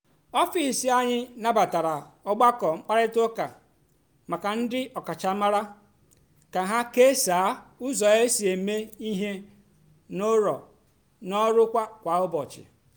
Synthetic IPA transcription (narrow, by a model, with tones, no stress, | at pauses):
ɔ˦fi˨si˦a˦ɲɪ˦na˦ba˨ta˨ɾa˨ɔ˦ɡ͡ba˦kɔ˨ŋ͡m̩˦k͡pa˦ɾɪ˦to˦ka̰˨ | ma˨ka˨n̩˦dɪ˦ʔɔ˨ka˨t͡ʃa˨˦ma˦ɾa˦ | ka˨ɦa˦ke˦saː˨˦ʊ˦zɔ˨e˦si˨e˨me˦i˦ɦe˦ | no˦ɾɔ̰˨ | nɔ˦ɾʊ˦kʷa˦kʷa˨ʊ˦bɔ˨t͡ʃɪ̰˨